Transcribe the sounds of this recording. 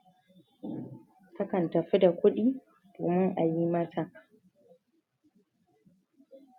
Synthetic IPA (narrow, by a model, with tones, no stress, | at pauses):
kɐ˦kɐ˨ntɐ˨ɸi˦da˨kʷʊ˦ɗiː˦ | d̥oː˨mɪ˦ŋʔa˨ji˦mɐ˦ta˨